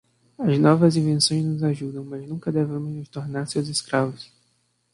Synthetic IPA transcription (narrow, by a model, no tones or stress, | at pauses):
ɐznɔvɐzĩvẽsõj̃znʊzaʒud̪ɐ̃w̃mɐznũŋkɐd̪evẽmʊznʊst̪oɾnaɾsewzɪskɾavʊs